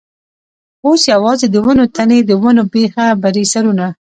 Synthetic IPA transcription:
osjawɑzed̪əwənot̪aned̪əwənobexabaɾesaɾuna

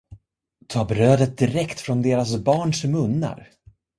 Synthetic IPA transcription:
t̪ʰɑːbɾøːd̪ət̪̚d̪ɪɾɛkt̪fɾɔnd̪eːɾasbɑːɳʂmɵnːa̰ɾ

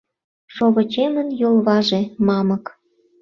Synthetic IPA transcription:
ʃoβə̆t͡ɕemənjolˠβɑʒĕmɑmə̆k

